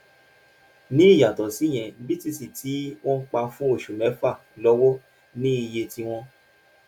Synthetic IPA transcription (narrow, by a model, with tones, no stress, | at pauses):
nĩ˨˦i˦˨ja˨tɔ˨si˨˦˨j̃ɛ̃˧˨bi˦ti˦˨si˨tʰi˨˦w̃ɔ̃˦k͡pa˧fũ˦o˦˨ʃu˨mɛ̃˨˦fa˦˨ | lɔ˦wɔ˦ | nĩ˦i˧je˧ti˧w̃ɔ̃˧